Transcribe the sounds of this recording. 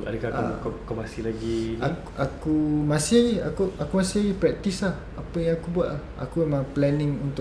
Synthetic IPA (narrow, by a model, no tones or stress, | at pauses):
a̰dəkaa̰kkamasihlaɡiakʔakumãsiaɡia̰kuʔakumasɪaɡipɾɛk̚t̪islah | apəjãŋakubuaʔlaha̰kuemãplɛnɪ̃ŋunt̪ʊ